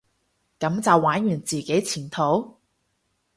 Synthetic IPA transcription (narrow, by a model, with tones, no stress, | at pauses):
kɐ˨˥mt͡sɐ˨wːaː˨˥njyː˨˩nt͡siː˨˧ke˨˥jt͡sʰiː˨˩nt̪ʰo˨˥w